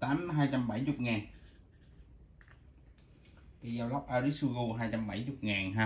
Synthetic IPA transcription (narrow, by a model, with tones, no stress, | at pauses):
t̪aː˨˦mɦaː˧jt͡ɕa˧mɓa˧˩jt͡ɕʊ˨˩k͡p̚ŋaː˨˩n | ki˧˩zaː˧wlɔ˦˥k͡p̚ʔaː˧ɾi˦˥su˧ɣo˧ɦaː˧jt͡ɕa˧mɓa˧˩jt͡ɕʊ˨˩k͡p̚ŋaː˨˩na˧